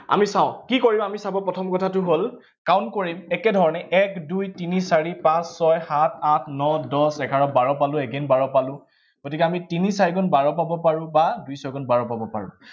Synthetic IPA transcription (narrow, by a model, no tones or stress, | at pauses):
a̰misãʊ̃kikoɹibɔamisabɔpɹɔtʰɔmkɔtʰatʊɦol | kawnkoɹimɛkɛdʱɔɹɔnɛʔɛkdujtinisaɹipãsːɔjhatʰatʰnɔdɔsɛɡʱaɹɔbaɹɔpalʊ̃ɛɡenbaɹɔpalʊ̃ | ɡ̥otikɛamitinisaɹikɔnbaɹɔpabɔpaɹʊ̃badujsɔjɡɔnbaɹɔpabɔpa̰ɹʊ̰̃